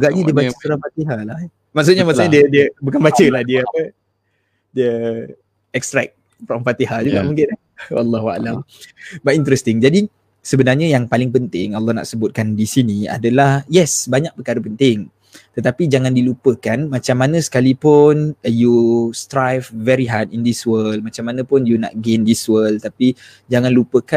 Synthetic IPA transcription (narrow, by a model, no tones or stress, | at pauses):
ɡaʔɲədiəbat͡ʃəsuɾamfat̪iɦalah | maʔks̬ut̪̚ɲəmaʔsaɲadiədiəbukanbat͡ʃəlahdiəapə | diə | ɛkst̪ɾa̰k̚ | fɾɔmfat̪iɦad͡ʒuɡa̰ʔmuŋkɪta | wɑ̰lːɑɦua̰lambaʔint̪ɾɛst̪ɪŋd͡ʒadi | səbənarɲəjaŋpalɪŋpənt̪ɪŋalːɔhna̰ʔsəbʊt̪̚kandisinia̰dalahjɛsbaɲak̚pəkaɾəpənt̪ɪŋ | t̪ət̪apid͡ʒaŋãndilupəkanmat͡ʃamːanə̃sə̥kalipʊnjust̪ɾajfvɛɾiɦadindiswəlmat͡ʃamːanə̃pʊnjuna̰ʔɡendiswəlt̪api | d͡ʒaŋãnlupəka